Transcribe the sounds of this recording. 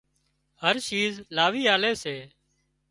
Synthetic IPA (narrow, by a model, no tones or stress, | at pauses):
həɾʃiːzlaːʋiːaːleːseː